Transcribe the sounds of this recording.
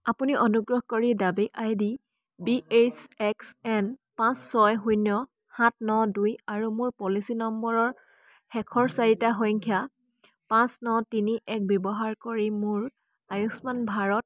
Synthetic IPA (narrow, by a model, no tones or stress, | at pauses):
apuniʔɔnuɡɹɔhkoɹidabiʔajdi | biesɛksɛnpãsːɔjɦujnɔ | hãt̚ʰnɔdujaɹumʊɹpɔlisinɔmbɔɹɔɹ | hɛkʰɔɹsaɹitaɦɔjŋkʰja | pãsnɔtiniʔɛk̚bjɔbɔɦaɹkoɹimʊɹ | ajuksmanbʱaɹɔt̚